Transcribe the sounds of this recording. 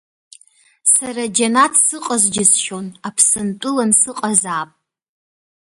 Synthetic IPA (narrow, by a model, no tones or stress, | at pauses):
saɾad͡ʒanatʰsɨqʼazd͡ʒʲɪsʃo̞napʰsɨntʷʼʊlansɨqʼazaːpʼ